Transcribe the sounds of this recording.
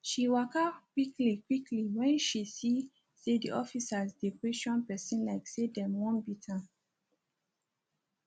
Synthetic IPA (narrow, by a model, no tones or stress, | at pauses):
ʃiwakakwiklikwikliwɛ̃nʃisi | sediʔɔfisazdepɹeʃɔ̃npɛsĩnlaɪksedɛmwɔ̃nbitʰa